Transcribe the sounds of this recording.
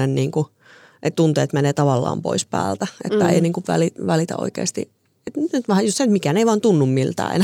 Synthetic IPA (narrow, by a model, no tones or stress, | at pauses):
enniːŋku | ʔet̪t̪unt̪eːt̪meneːt̪ɑʋɑlːɑ̰ːmpo̰ispæ̰ːlt̪æʔḛt̪ːæḛiniːŋkuʋʋæ̰liʋælit̪æ̰o̰ikḛːst̪ḭ | et̪nnyt̪ʋæhæjostːsenyt̪mikæneiʋɑːnt̪unːummilt̪æ̰ːʔḛn